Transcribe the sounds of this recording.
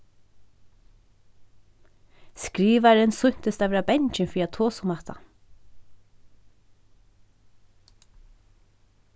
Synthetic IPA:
skɾiːʋaɾɪnsʊɲ̥t̪əst̪avɛːɾabɛɲt͡ʃɪnfiːat̪ʰoːsʊmat̪ʰa̰

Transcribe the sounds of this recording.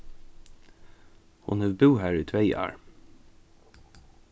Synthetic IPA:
hʊ̰nhʉʋbʉːhæːɹʉːt̪ʰʋeɪɑ̰ːɹ

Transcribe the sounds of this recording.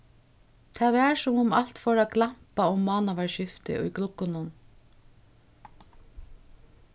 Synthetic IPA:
t̪ʰɛːðɛːɹsʊmʊmal̥t̪fɔːɾaɡlam̥paʊmːɑːnaʋaɹʃɪft̪ɪ̰ʔʊ̰jklʊkʊnʊn

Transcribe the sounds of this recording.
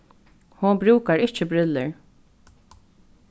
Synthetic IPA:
hʊnbɾʉːkaɹɪht͡ʃɪbɾʏlːəɹ

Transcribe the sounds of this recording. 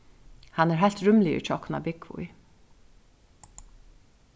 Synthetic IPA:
hanːɛɾɦajlt̪ɹʏmlɪɪ̰t͡ʃʰɔhkna̰bɪkvʊ̰j

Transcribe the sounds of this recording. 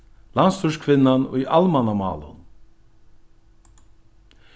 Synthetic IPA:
lanst̪ʰʉʂkʰvɪnːanɔ̰ːiʔalmanamɑ̰ːlə̰n

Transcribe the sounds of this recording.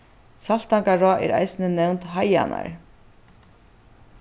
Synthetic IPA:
salt̪aŋkaɾɔːʔɛ̰ɾa̰jsɪnɪnɛwnt̪ɦaja̰na̰ɹ

